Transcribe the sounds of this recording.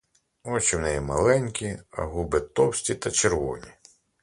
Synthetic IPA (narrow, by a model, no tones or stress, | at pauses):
ɔt͡ʃɪwnɛjɛmɐlˠɛnʲkʲiɐ̰ɦubɪt̪ɔwsʲtʲit̪ɐt͡ʃeɾʋɔ̰nʲi